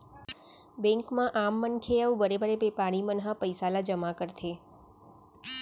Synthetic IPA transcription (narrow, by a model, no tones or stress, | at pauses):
bẽŋkmãʔamːənkʰeaũbəɾebəɾepepaɽ̃imənɦãpəjsalad͡ʒəmakəɾt̪ʰe